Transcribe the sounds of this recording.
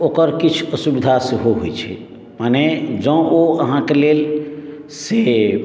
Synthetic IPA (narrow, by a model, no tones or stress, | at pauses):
okəɾkit͡ʃʰəsubid̪ʱaseɦoɦo̰jt͡ʃʰɛ̰ | maned͡ʒə̃oəɦãkelel | se